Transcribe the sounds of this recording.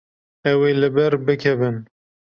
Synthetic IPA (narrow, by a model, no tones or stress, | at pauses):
ɛweːlɨbɛɾbɨkʰɛbɨn